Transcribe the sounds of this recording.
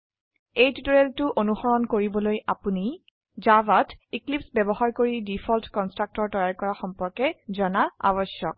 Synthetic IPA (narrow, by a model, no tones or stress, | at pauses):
ejtutɔɹeltʊʔonuxɔɹɔnkoɹibɔlojapuni | zabatʰiklipsbɛbɔɦaɹkoɹidipʰɔltkɔnstɹak̚tɔɹtɔjaɹkɔɹaxɔmpɔɹkɛzɔnaa̰bɔsjɔk̚